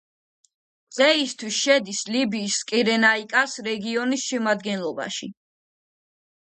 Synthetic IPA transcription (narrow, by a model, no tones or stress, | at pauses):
ʁɛist̪ʰwisʃɛd̪islibiːskʼiɾɛnaikʼasɾɛɡiɔnisʃɛmad̪ɡɛnlˠɔba̰ʃḭ